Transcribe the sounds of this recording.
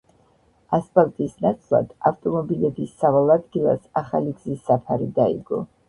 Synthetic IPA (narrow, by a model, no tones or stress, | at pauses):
aspʰʼalˠt̪ʼisnat̪sʼlˠa̰d̪̥aft̪ʼɔmɔbilɛbisːavalˠad̪ɡilˠa̰saχa̰liɡzisːapʰaɾid̪aḭɡɔ̰